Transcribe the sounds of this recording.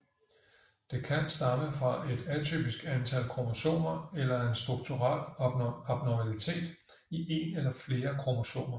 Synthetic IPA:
d̥e̝kʰænsd̥ɑ̈məfʁɑ̈ʔe̝d̥æt͡sʰy̰b̥isɡ̥ænt͡sʰælkʰʁomoɕo̝̰ːnɐelɐe̝nsd̥ʁuɡ̥̚t͡sʰuʁal̰ɒb̥̚nɒmælit͡sʰe̝̰ːd̥ | iʔe̝̰ːnelɐfle̝ːɐkʰʁomoɕo̝̰ːnɐ

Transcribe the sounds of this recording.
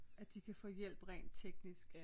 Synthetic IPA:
æd̥ikʰæfɔ̰̽ːjel̰b̥ʁɛ̰ɪːnd̥t͡sʰeɡ̥nisɡ̥

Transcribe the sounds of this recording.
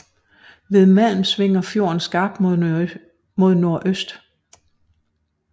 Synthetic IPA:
ʋe̝ðˠmæl̰m̩sʋe̝ŋ̰ɐfjo̝ːɐn̩sɡ̥ɑ̈b̥̚d̥mo | mo̝ð̞ˠno̝ɐ̰ʔøsd̥

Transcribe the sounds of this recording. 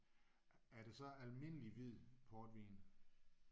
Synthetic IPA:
æɐɾ̥e̝sɒ̽ælme̝n̰əliʋið̰ˠpʰɒːd̥ʋḭːn

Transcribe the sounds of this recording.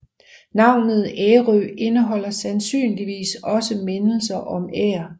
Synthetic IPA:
nɑ̈ʊ̰nð̩ˠeːʁøe̝nəɦɒ̽l̰ɐsænsy̰ːnliʋḭːsɒ̽səme̝nl̩s̬ɐʔɒ̽mḛːɐ

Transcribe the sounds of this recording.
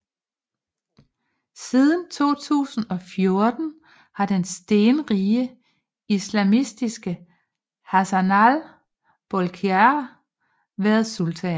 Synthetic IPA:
sið̞ˠən̩t͡sʰo̝̰ːt͡sʰṵːsn̩ɒ̽fjo̝ɐd̥n̩ | hɑ̈d̥ensd̥e̝ːnʁiːə | islæmisd̥isɡ̥ə | hæsænæl | b̥olkʰeæ | ʋæːɐðˠsult͡sʰɛ

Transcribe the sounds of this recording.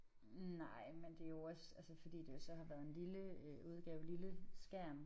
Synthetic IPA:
nɑ̈ɪ̰mend̥e̝æjo̝ɒ̽sælsəfɒ̽d̥ḭːd̥e̝jo̝sɒ̽hɑ̈ʋæɐð̞̩ˠe̝nliləøuð̞ˠɡ̥ɛːʊliləsɡ̥æɐ̰m

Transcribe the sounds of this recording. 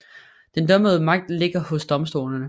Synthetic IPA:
d̥end̥œməð̞̩ˠəmɑ̈ɡ̥̚d̥le̝ɡ̥ɐhɔ̽sd̥ɒ̽msd̥o̝̰ːlɐnə

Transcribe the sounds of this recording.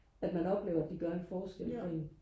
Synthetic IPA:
æd̥mænɒ̽b̥le̝ːʊɐæd̥iɡ̥ɶɐe̝nfɒːsɡ̥el̰fʰḛn̩

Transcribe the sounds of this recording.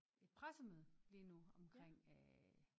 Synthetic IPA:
e̝d̥̚pʰʁasəmøð̩ˠlinuɒ̽mkʰʁeŋ̰æ

